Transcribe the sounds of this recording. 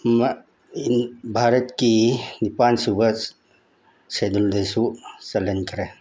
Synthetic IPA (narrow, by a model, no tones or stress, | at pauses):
m | bʱaɾət̪kinipansubəd͡ʒ | sed̪uld̪esusɐlənkəɾe